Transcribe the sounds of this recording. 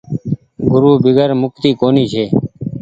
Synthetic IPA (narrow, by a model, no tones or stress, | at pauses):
ɡʊɾuːbɪɡəɾmʊk̚t̪iːkoːniːt͡ʃʰeː